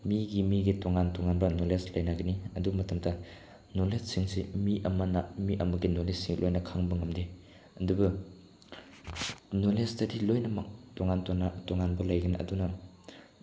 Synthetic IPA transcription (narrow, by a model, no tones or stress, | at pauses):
miɡimiɡitoŋantɔŋanbɐnoleslɐjnaɡɐniɐdubmɐtɐmdɐ | nolesːiŋsimiʔɐmɐnɐmiʔɐmɐɡinolesːiŋlojnɐkʰaŋbɐŋɐmdi | ɐdubɐ | nolestɐdilojnɐmɐtɔŋantnatɔŋanbɐlɐjɡɐniʔɐ̰dunɐ